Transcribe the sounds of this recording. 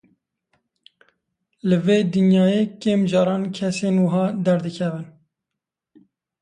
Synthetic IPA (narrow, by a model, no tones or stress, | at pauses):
lɨveːd̪ɨnjɑːjeːkeːmd͡ʒɑːɾɑːnkʰɛseːnwɨɦɑːd̪ɛɾd̪ɨkʰɛvɨn